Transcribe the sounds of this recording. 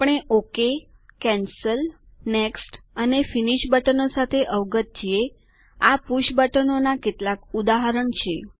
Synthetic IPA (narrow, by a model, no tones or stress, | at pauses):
pəɳ̃eʔoke | kɛ̃nsəl | neksʈənefiniʃbəʈənosat̪ʰeʔəʋɡət̪̚t͡ʃʰie | apuʃbəʈənonaket̪lakud̪aɦəɾəɳt͡ʃʰe